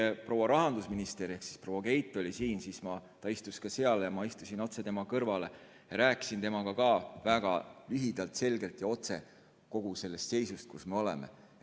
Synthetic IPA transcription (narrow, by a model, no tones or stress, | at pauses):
epro̞ːwɑɾɑɦɑnd̪usminist̪eɾehksi̥spro̞wɑke̞jt̪ˑːo̞lʲisiːnsismɑt̪ɑist̪uskɑse̞ɑlejɑmɑist̪usino̞t̪se̞t̪e̞mɑkɤrvɑle̞ | jɑɾæːki̥sint̪e̞mɑkɑkɑːvæɡ̥ɑlyɦid̪̥ɑlt̪ˑse̞lɡ̥e̞lt̪jɑo̞t̪se̞̰ | ko̞ɡ̥use̞lːe̞st̪se̞jsust̪̚kusme̞o̞lɛ̰mḛ